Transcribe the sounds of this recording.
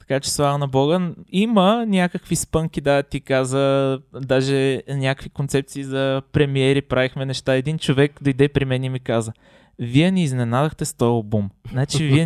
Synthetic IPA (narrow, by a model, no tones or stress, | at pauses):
t̪ɐ̥kat͡ʃɛ̥svˠavənɐbɔɡəimənʲakəkvispɤŋkid̪at̪ikazəd̪aʒɛnʲakəkvikont̪sɛp̚t̪siːzɐpɾɛmiɛɾipɾavixmɛnɛʃt̪aɛd̪int͡ʃovɛkd̪ɐid̪ɛpɾimɛnimikazə | viɛniːznɛnad̪əxt̪ɛst̪ɔjobumznat͡ʃiviɛ